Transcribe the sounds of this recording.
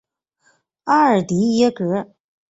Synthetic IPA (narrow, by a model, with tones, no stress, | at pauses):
a˥ə˨˩t̪i˧˥jɛ˥kɤ˧˥